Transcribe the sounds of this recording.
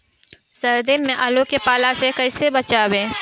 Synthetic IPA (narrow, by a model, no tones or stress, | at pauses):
sɐɾd̪emmːẽʔalokepaːlasekɐɪsebɐt͡ʃaːwẽː